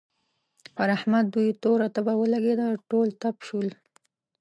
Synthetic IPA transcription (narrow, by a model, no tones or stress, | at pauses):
paɾahmat̪̚d̪ujt̪oɾat̪abawəlaɡed̪aʈolt̪apʃul